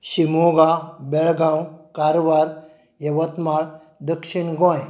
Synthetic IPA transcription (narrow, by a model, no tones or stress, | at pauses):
ɕimoɡabeɭɡãwkaɾʋaɾ | jɐʋət̪maɭ | d̪əkʂiɳɡɔ̃j